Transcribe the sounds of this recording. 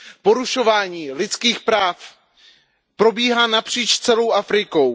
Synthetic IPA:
po̞ɾuʃo̞vaːɲiːlɪtt͡skiːxpɾaːf | pɾo̞biːɦaːnapr̝̥iːt͡ʃst͡sɛlo̞wʔafɾɪko̞w

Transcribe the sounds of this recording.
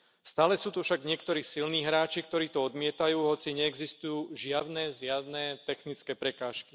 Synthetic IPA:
st̪aːlɛsuːt̪ufʃaɡɲɪɛkt̪ɔɾiːsilniːɦɾaːt͡ʃik̚t̪ɔɾiːt̪ɔɔd̪mɪɛt̪ajuːɦɔt͡siɲɛːɡzist̪ujuːʒɪad̪nɛzɪad̪nɛt̪ɛxnit͡skɛːpɾɛkaːʃki

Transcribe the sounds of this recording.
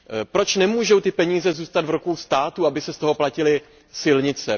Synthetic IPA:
pɾo̞t͡ʃnɛmuːʒo̞wt̪ɪpɛɲiːzɛzuːst̪ad̪vɾukuwst̪aːt̪uabɪsɛst̪o̞ɦo̞placɪlɪ | sɪlɲɪt͡sɛ

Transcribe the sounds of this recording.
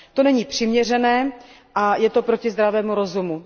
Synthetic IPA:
t̪o̞nɛɲiːpr̝̥ɪmɲɛrɛnɛː | ʔajɛt̪o̞pɾo̞cɪzd̪ɾavɛːmuɾo̞zumu

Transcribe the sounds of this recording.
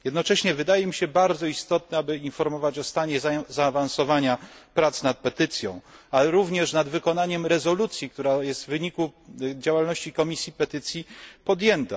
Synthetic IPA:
jɛd̪nɔt͡ʂɛɕɲɛvɘd̪ajɛmʲiɕɛbaɾd̪zɔist̪ɔt̪nɛabɘinfɔɾmɔvat͡ɕɔst̪aɲɛzzaːvansɔvaɲapɾat̪snat̪̚pɛt̪ɘt̪sʲjɔ̰̃w̃alɛɾuvɲɛʂnad̪vɘkɔnaɲɛmɾɛzɔlut̪sʲjik̚t̪uɾajɛst̪vvɘɲikud͡ʑawalnɔɕt͡ɕikɔmʲisʲjipɛt̪ɘt̪sʲjipɔd̪jɛnt̪a̰

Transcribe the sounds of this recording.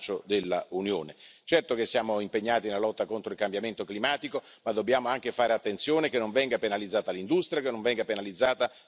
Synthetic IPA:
t͡ʃod̪elːaunjoːnet͡ʃɛrt̪ok̟esːjaːmoimpeɲːaːt̪inelalɔt̪ːakont̪ɾoilkambjament̪oklimaːt̪iko | mad̪ːobjaːmoaŋk̟efaːɾeat̪ːent̪sjoːnekenːoɱvɛŋɡapenalid̪zːaːt̪alind̪ust̪ɾijakenːõɱvɛŋɡapenalid̪zːaːt̪a

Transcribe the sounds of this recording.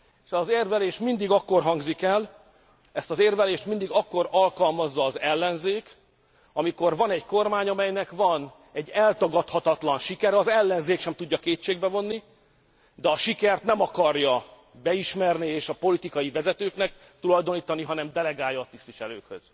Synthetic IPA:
eʃzeːrvɛleːʃmind̪iɡɒkːo̞rɦɒŋɡzikɛl | ɛst̪ɒzeːrvɛleːʃt̪mind̪iɡɒkːo̞ɾɒlkɒlmɒzːɒːzɛlːɛnzeːk | ɒmiko̞rvɒnɛɟko̞rmaːɲɒmɛjnɛkvɒn | ɛɟːɛlt̪ɒɡɒt̪hɒt̪ɒt̪lɒnʃikɛɾɛɒzɛlːɛnzeːkʃɛmt̪uɟːɒkeːt͡ʃːeːɡ̚bɛvo̞nːi | d̪ɛɒʃikɛrt̪nɛmɒkɒrjɒ | bɛiʃmɛrnieːʃɒpo̞lit̪ikɒjivɛzɛt̪øːknɛk̚ | t̪ulɒjd̪o̞niːt̪ɒniɦɒnɛmd̪ɛlɛɡaːjːɒːt̪ist̪ʋiʃɛlø̰ːkhø̰z̥

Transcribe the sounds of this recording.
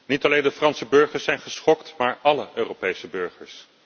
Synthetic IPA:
nitɑlejndəfrɑnsəbøɹχəɹsɛjnχəsχɔktmaːɹɑləʔøːrowpejsəbøɹχəɹs

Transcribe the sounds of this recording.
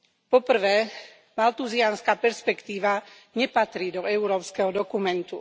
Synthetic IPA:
pɔpr̩ʋɛː | malt̪uzianskaːpɛɾspɛkt̪iːʋa | ɲɛpat̪ɾiːd̪ɔɛʊɾɔːpskɛɦɔd̪ɔkumɛnt̪u

